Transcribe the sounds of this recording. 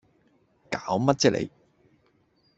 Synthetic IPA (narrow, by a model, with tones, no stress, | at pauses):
kaː˨˥wmɐ˥t̚t͡sɛː˥lʔḛ˨˧j